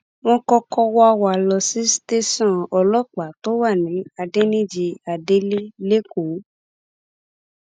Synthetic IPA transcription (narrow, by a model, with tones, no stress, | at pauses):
w̃ɔ̃˧kɔ˧kɔ˧wɔ˦a˧wa˨lɔ˧si˨˦ste˦sɔ̃˦˨ɔ˧lɔ˦˨k͡pa˨˦to˦wa˦˨nĩ˨˦a˧de˦nĩ˦d͡ʒi˧a˨de˦le˦le˦ko˨˦